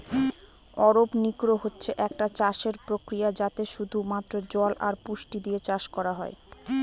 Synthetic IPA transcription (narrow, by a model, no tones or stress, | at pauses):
ɔɾopnikɾoɦotːɕʰeʔɛkʈat͡ɕaʃeɾpɾokɾijad͡ʑat̪eʃud̪ʱumat̪ːɾod͡ʑɔlʔaɾpuʃʈid̪iet͡ɕaʃkɔɾaɦɔe